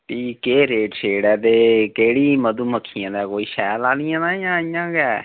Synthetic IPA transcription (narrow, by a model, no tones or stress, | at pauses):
p̪iːkeːɾeːʈʃeːɽɛːt̪eːkeːɽiːməd̪uːməkʰːijãːd̪aːkoːiːʃɛːlaːnɪjãːnaːɪjãːɪjãːɡɛː